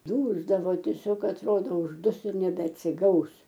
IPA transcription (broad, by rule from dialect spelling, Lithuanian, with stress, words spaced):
ˈduːzdɐʋoː tʲiɛˈsʲoːk ɐtˈroːdoː ʊʒˈdʊs ɪr nʲɛbʲɛɐtʲsʲɪˈɡɐʊs